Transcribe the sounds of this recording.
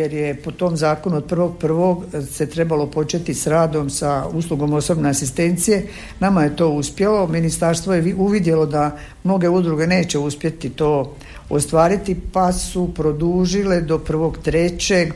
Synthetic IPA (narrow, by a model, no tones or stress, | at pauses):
jeɾjepo̞t̪o̞mzaːkonuod̪̚pr̩ʋo̞ɡ̚pr̩ʋo̞ɡse̞t̪ɾe̞balo̞po̞t͡ʃe̞t̪isɾaːd̪o̞msausluɡo̞mo̞sobne̞asist̪e̞nt̪sije̞ | namaje̞t̪o̞ːuspje̞lo̞minist̪aɾst̪ʋojeiuʋid̪je̞lo̞d̪a | mno̞ɡe̞ud̪ɾuɡe̞ne̞ːt͡ɕe̞uspje̞t̪it̪o̞ː | ost̪ʋaːɾit̪ipasupɾo̞d̪uːʒiled̪o̞pr̩ʋo̞ɡt̪ɾe̞t͡ɕe̞ɡ